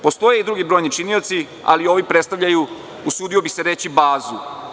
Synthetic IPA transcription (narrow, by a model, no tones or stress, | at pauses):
po̞st̪o̞jeid̪ɾuɡibɾo̞jnit͡ʃinio̞t̪si | a̰lio̞ʋipɾet̪st̪aʋʎaju | usuːd̪io̞bise̞ɾe̞t͡ɕibaːzu